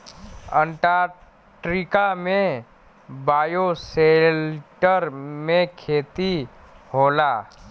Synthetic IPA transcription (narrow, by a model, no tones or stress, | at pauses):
ə̃ɳʈa | ʈɾɪkamẽ | baːjoselʈəɾmẽkʰeːt̪i | hoːlaː